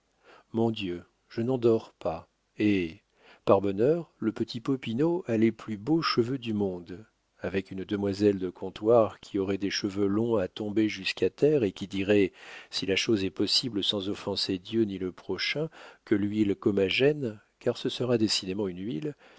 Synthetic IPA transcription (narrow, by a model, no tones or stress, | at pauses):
mɔ̃d̪jø | ʒ̥ənɑ̃d̪ɔʁpa | e | paʁbɔnœʁləpət̪ʰipɔpinoaleplyboʃəvød̪ymɔ̃d̪ | avɛkynd̪əmwazɛld̪əkʰɔ̃t̪waʁkʲʰiɔʁɛd̪eʃəvølɔ̃at̪ɔ̃beʒyskat̪ɛʁekʲid̪iʁɛsilaʃozɛpɔsibləsɑ̃zɔfɑ̃sed̪jøniləpχɔʃɛ̃kəlɥilkɔmaʒɛn | kaʁsəsəʁad̪esid̪emɑ̃ynɥil